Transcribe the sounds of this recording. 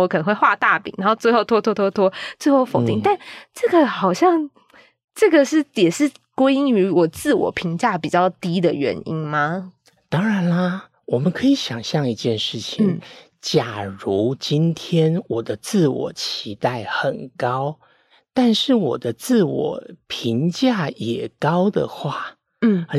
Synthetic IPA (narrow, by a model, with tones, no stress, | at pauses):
wɔ˧˦kʰə˨nə˧ŋwe˥˧xwa˥˧t̪a˥˩pḭ˨˩ŋna˧˦ŋxo˥˧ʊt͡swe˥˧ɪxo˥˧ʊt̪ʰwɔ˥t̪ʰɔ˥t̪ʰɔ˥t̪ʰwɔ˥t͡swe˥˧ɪxo˥˩ʊfo˨˩ʊt̪i˥˧ŋt̪a˥˩nʈ͡ʂɤ˥˩ɡə˨˩xɑ˨˩ʊɕjɑ˥˧ŋ | ʈ͡ʂɤ˥˩ɡə˨ʂɻ̩˥˩jɛ˨˩ʂɻ̩˥˩kwe˥ɪi˥ny˧˥wɔ˨˩t͡sɹ̩˥˩wɔ̰˨˩pʰi˧˥ŋt͡ɕja˥˩pi˨˩t͡ɕjɑ˥˩ʊt̪i˥d̪ə˨ɥɛ̰˧˥nḭ˧˥nma˧ | t̪ɑ˥ŋɻa˧˦nɐ˦ | wɔ˨˩mə˦nkʰɤ˧˥i˧˥˦ɕjɑ˨˩ŋɕjɑ˥˧ŋi˧˥t͡ɕjɛ˥˧nʂɻ̩˥˩t͡ɕʰi˨˩˥ŋ˩ | t͡ɕja˨˩ɻu˧˥t͡ɕi˦nt̪ʰjɛ˥nwɔ˨˩d̪ə˦t͡sɹ̩˥˩wɔ̰˨˩t͡ɕʰi˧˥t̪a˥˩ɪxə˨˩nkɑ˦ʊ | t̪a˥˧nʂɻ̩˥˩wɔ˨˩d̪ə˦t͡sɹ̩˥˩wɔ̰˨˩˦pʰi˧˦ŋt͡ɕja˥˩jɛ˨˩kɑ˥ʊd̪ə̰˨xwa˥˩ | n̩˥˩ə˧˥